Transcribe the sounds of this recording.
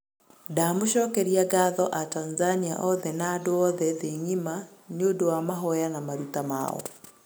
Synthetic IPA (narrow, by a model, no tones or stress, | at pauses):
damoʃɔːkɛɾiaɡaðɔʔatanzania̰ʔɔðɛnaːdoɔðɛðeɲimaneodowamaɦɔjanamaɾutama̰ːɔ̰